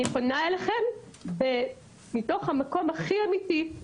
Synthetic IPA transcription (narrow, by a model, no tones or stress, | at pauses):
iχonaeleχe̞m | be | mito̞χhamako̞mhaχiamiti